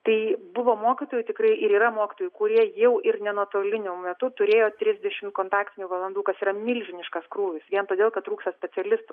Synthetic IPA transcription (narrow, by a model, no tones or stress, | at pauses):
t̪ɐɪbʊʋoːmoːkʲit̪oːjʊt̪ʲɪkɾɐɪʔɪɾiːɾɐmoːkʲɪ̥t̪oːjʊkʊɾʲiɛjɛʊʔɪrnʲɛnuɔt̪oːlʲɪnʲomʲɛt̪ʊt̪ʊɾʲeːjoːt̪ʲɾʲɪzʲd̪ʲɛʃʲɪmt̪̚koːnt̪ɑːkt̪ʲɪnʲuːʋɐlˠɐnd̪uːkɐsiːɾɐmʲɪlʲʒʲɪnʲɪʃkɐskɾuːʋʲɪsʋʲiɛnt̪oːd̪ʲeːlˠkɐt̪t̪ːɾuːkst̪ɐsʲpʲɛt͡s̪ʲɛlʲɪst̪ʊ